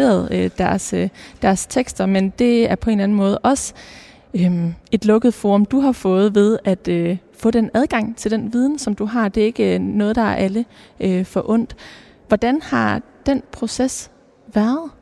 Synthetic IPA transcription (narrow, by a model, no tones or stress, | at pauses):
ḛːɐð̞ˠød̥æɐsd̥æɐst͡sʰeɡ̥sd̥ɐmend̥e̝æɐpʰɒ̽e̝nlæn̩mɔ̽ːðˠʔɒ̽sə | øme̝d̥lɔ̽ɡ̥əð̞̩ˠfo̝ːɔ̽md̥uɦɑ̈fɔ̽ːð̞̩ˠʋe̝ð̞ˠæd̥øfɔ̽ːd̥enæð̞ˠɡ̥ɑ̈ŋ̰t͡sʰe̝ld̥enʋiːð̞ˠn̩sɒ̽md̥uɦɑ̈d̥e̝æɐe̝ɡ̥ənɔ̽ːð̩ˠd̥ɑ̈æɐʔæləʔøfɒ̽ʔɔ̽n̰d̥ | ʋɒd̥ænhɑ̈ | d̥enpʰʁo̝ses | ʋæɐð̩ˠ